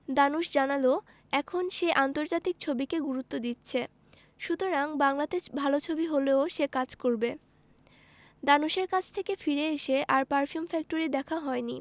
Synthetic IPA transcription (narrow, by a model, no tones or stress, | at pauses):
d̪anuʃd͡ʑanalo | ɛkʰonʃeʔant̪oɾd͡ʑat̪ik̚t͡ɕʰobikeɡuɾut̪ːod̪it̪ːɕʰe | ʃut̪oɾaŋbaŋlad̪eʃbʱalot͡ɕʰobiɦoleoʃekad͡ʑkoɾbe | d̪anuʃeɾkat͡ɕʰt̪ʰekefiɾeeʃeʔaɾpaɾfiumfɛk̚ʈoɾid̪ɛkʰaɦɔenḭ